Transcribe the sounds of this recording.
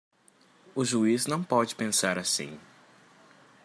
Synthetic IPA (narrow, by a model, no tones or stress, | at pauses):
ʊʒuiznɐ̃w̃pɔd͡ʒɪpẽsaɾasḭ̃